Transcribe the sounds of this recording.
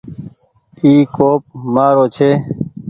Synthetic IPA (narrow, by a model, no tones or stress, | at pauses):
iːkoːp̚maːɾoːt͡ʃʰeː